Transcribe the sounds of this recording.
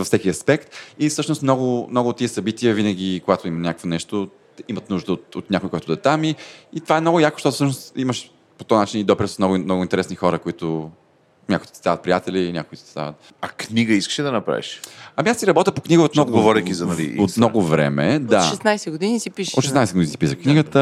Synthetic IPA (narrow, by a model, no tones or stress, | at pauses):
vəfsɛkiɐspɛkt̪ifsɤʃnost̪mnɔɡʊmnɔɡʊːt̪ːiəsɐbit̪iəvinəɡ̟ʲikoɡat̪ʊimɐnʲakəkvonɛʃt̪o | imɐt̪nuʒd̪əot̪ot̪nʲakʊikɔɛit̪ʊd̪ɛt̪amiːt̪ovaɛmnɔɡʊjako̥ʃt̪ɔt̪ʊfsəʃnosiməʃ | pot̪ɔnat͡ʃinid̪ɔpiɾsmnɔɡʊmnɔɡʊint̪ɛɾɛsnixɔɾəkoit̪ʊ | nʲakʊit̪t̪t̪avɐt̪pɾijat̪ɛliːnʲa̰kʊit̪t̪i̥t̪a̰vət̪̚ | ɐkniɡəiskə̥ʃɛd̪ɐnɐpɾa̰vḭʃɐmiasiɾɐbɔt̪əpokniɡəot̪mnɔɡʊɡovɔɾikʲizɐnɐlḭot̪mnɔɡʊvɾɛ̰mɛd̪aʃɛsnajsɛɡod̪inisipiʃo̰t̪ːʃɛsnajsɛdɡod̪inisi̥pisəxkniɡət̪ə